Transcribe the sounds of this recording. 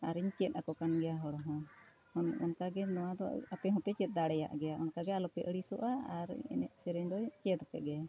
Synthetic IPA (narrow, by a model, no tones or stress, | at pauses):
aɾiɲt͡ʃɛt̪̚akɔkanɡɛjaɦɔɽɔɦɔ̃ | hɔnɔnkaɡɛnɔwad̪ɔapɛɦɔ̃pɛt͡ʃɛt̪̚ˀd̪aɽɛja̰ʔɡɛjaʔɔnkaɡɛalɔpɛʔəɽisɔʔaaɾ̰ɛ̰nɛ̰ʔ̪̚sɛɾɛɲd̪ɔt͡ʃɛd̪ɔpɛʔɡɛa